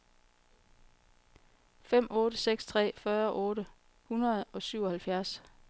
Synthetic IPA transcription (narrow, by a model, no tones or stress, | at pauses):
fem̰ɔ̽ːɾəseɡ̥st͡sʰʁɛ̰ːfɶːɐʔɔ̽ːɾə | hunɐð̞̩ˠɒ̽syʊ̰ɒ̽hælfjæɐs